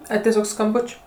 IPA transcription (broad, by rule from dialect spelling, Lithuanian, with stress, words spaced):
ˈɐɪ tʲɛˈsʲoːk skɐmˈbʊt͡ʃʲ